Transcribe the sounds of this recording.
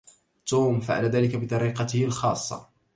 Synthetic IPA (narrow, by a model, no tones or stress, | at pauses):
t̪uːmfaʕa̰laðaːlɪkabɪt̪ˤɑɾiːqɑt̪ɪhɪlxɑːsˤːɑ̰